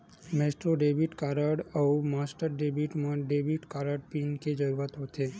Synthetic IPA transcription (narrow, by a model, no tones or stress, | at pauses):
mesʈɾoɖebiʈkaɾəɖəumasʈəɾɖebiʈmãɖebiʈkaɾəɖpinked͡ʒəɾuɾət̪ɦot͡ʃʰe